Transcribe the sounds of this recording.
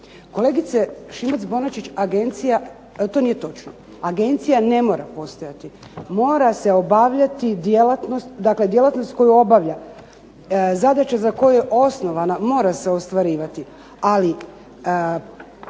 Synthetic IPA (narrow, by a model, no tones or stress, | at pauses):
ko̞le̞ɡit̪seʃimat̪sbo̞nat͡ʃit͡ɕaɡe̞nt̪sija | t̪o̞nije̞t̪o̞t͡ʃno | aɡe̞nt̪sijane̞mo̞ːɾapo̞st̪o̞jat̪i | mo̞ːɾase̞o̞baʋʎat̪id̪jelat̪no̞st̪d̪akle̞d̪je̞lat̪no̞st̪ko̞juo̞baʋʎa | zad̪at͡ɕazako̞jujeʔo̞sno̞ʋanamo̞ːɾase̞o̞st̪ʋaɾiːʋat̪i | ali